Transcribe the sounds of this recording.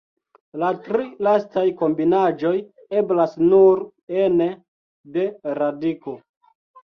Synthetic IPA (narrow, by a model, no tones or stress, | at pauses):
latɾilastajko̞mbinad͡ʒo̞j | e̞blasnuɾ | ene | de̞ɾadiko̞